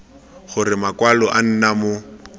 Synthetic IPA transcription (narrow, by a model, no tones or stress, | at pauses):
χʊrɪmakwalɔʔan̩namʊ